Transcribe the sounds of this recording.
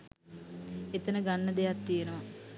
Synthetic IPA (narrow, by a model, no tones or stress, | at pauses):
et̪ənəɡanːəd̪ejat̪t̪ijenəʋa